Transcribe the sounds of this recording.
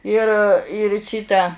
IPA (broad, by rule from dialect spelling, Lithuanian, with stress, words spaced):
ɪr ɪr ˈʃʲiːtɐ